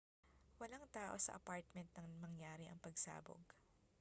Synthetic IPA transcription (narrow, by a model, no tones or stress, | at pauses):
wɐlaŋt̪aːʔo̞sɐ̰ʔɐ̰paɹt̪̚mɛnt̪̚nɐŋmɐŋjaːɾɪʔɐŋpɐɡsa̰ːbo̰ɡ